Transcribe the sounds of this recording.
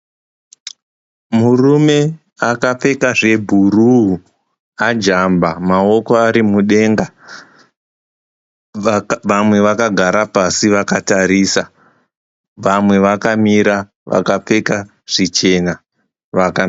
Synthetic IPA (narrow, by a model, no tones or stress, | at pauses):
murume̞ | akap͡fe̞kaʐe̞bʱuruɦu | ad͡ʒambamao̞koaɾimuɗe̞ŋɡa | ʋamwe̞ʋakaɡʱaɾapasiʋakataɾiːsa | ʋamwe̞ʋakamiɾa | ʋa̰kap͡fe̞ka | ʐ̥it͡ʃe̞na | ʋaka